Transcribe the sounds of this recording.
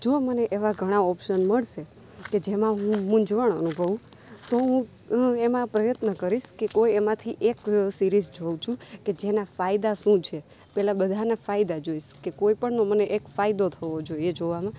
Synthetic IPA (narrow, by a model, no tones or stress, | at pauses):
d͡ʒoməneʔeʋaɡʱəɽ̃aɔpʃənməɭʃe | ked͡ʒemãɦũmʊ̃ɲd͡ʒʋəɳ̃ənubʱəʋũ | t̪oɦũ | emãpɾəjət̪nəkəɾiʃkekojemãt̪ʰiʔeksiɾizd͡ʒoʋt͡ʃʰũked͡ʒenafaid̪aʃũt͡ʃʰe | pɛlabəd̪ʱanafaid̪ad͡ʒoiʃkekoipəɳnoməneʔekfaid̪ot̪ʰəʋod͡ʒoied͡ʒoʋamã